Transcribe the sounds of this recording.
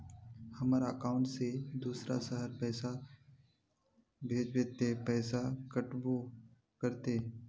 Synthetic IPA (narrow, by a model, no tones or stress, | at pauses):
həmaɾaəkaːʊ̃ɳʈsed̪uːsɾa̰səɦəɾpɛːsa | bʱeːd͡ʒbeːt̪epɛːsakəʈbo | kəɾt̪e